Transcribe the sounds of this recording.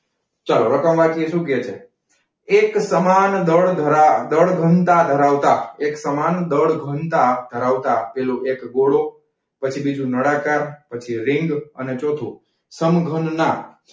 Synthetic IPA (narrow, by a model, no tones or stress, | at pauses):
t͡ʃaloɾəkəmʋakʰieʃũket͡ʃʰe | eksəmand̪əɭd̪ʱəɾad̪əɭɡʱənt̪ad̪ʱəɾaʋt̪aeksəmand̪əɭɡʱənt̪ad̪ʱəɾaʋt̪apeloekɡoɽo | pət͡ʃʰibid͡ʒũnəɽakaɾpət͡ʃʰiɾɪŋɡə̰net͡ʃot̪ʰũ | səmɡʱənna